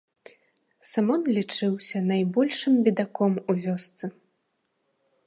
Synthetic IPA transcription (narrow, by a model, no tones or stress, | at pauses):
samɔnlʲit͡ʂɨwsʲɐnajbɔlʲʂɨmbʲid̪akɔmuvʲɔst̪sɨ